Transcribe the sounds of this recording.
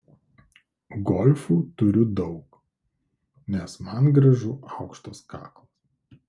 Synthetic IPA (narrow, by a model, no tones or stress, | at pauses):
ɡɔlʲfuːt̪ʊɾʲʊd̪ɒʊk | nʲɛsmɐnɡɾɐʒʊʔɑʊkʃt̪oskɑ̰ːklˠɐs